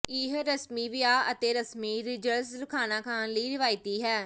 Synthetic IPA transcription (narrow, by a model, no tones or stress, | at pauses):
ɪɦɾəsmiːʋɪjaːət̪eːɾəsmiːɾɪd͡ʒəɾsləkʰaːnaːkʰaːnləiːɾɪʋaːɪt̪iːɦɛː